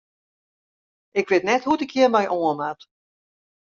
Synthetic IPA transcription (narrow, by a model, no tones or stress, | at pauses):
ʔɪkʋɪːtnɛtɦudəkʰjɪərmɛjʔoəmat